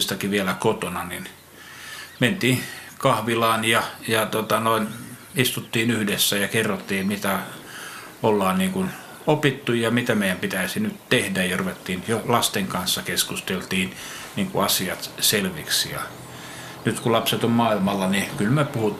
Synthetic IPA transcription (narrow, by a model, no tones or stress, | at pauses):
st̪ɑkiʋiælækot̪onɑnin | ment̪iː | kɑhʋilɑːnjɑjɑt̪ot̪ɑnoinist̪ut̪ːiːnyhdesːæjɑkerːot̪ːiːmit̪æ | olːɑːnniːŋkun | opit̪ːujjɑmit̪æmeijæmpit̪æisinyt̪t̪ehdæjjɑruʋet̪ːiːnjolɑst̪eŋkɑnsːɑkeskust̪elt̪iːn | niːŋkṵɑsiɑt̪selʋiksijɑ̰ | nyt̪kulɑpset̪ommɑːilmɑlːɑnikylmepuhu